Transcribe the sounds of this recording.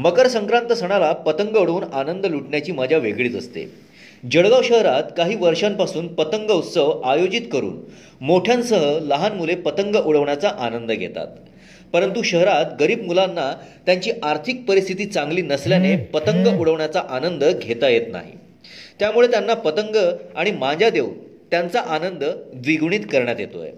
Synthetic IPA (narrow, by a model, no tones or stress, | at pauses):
məkəɾsəŋkɾãnt̪əsəɽ̃alapət̪əŋɡəuɽuːnanənd̪əluʈɳjat͡ɕiːmad͡ʑʱjaʋeɡɭiːt̪əst̪ḛ | d͡ʑəɭɡaʋɕəɦɾat̪kaɦiːʋəɾʂampasuːnpət̪əŋɡəut̪səʋajod͡ʑit̪kəɾṵːn | moʈʰjansəɦələɦanmulepət̪əŋɡəʔuɭəʋɳjat͡saʔanənd̪əɡʱḛt̪a̰t̪̚ | pəɾənt̪uɕəɦɾat̪ɡəɾiːbmulanːat̪jaɲt͡ɕiːʔaɾt̪ʰik̚pəɾist̪ʰit̪iːt͡sãŋɡliːnəsljanepət̪əŋɡəʔuɭəʋɳjat͡saʔanənd̪əɡʱet̪ajet̪na̰ɦḭ | t̪jamuɭet̪janːapət̪əŋɡəaɽ̃imad͡ʑjad̪eʋt̪jant͡saʔanənd̪əd̪ʋiɡɳ̃iːt̪kəɾɳjat̪jḛt̪o̰j